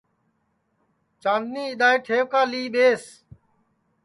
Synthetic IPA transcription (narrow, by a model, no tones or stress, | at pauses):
t͡ʃãːnd̪nĩːɪɗ̪aːeːʈʰeːʋkaːliːɓeːs